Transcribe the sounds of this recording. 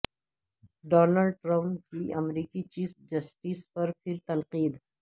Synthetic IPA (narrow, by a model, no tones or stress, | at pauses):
ɖɔːnalɖʈɾampkiɐmɾiːkit͡ʃiːfd͡ʒɐsʈispɐɾpʰɪɾt̪ɐnqiːd̪